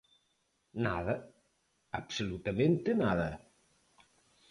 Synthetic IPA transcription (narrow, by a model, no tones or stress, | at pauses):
naðə | əpsulut̪əmẽnt̪enaðɐ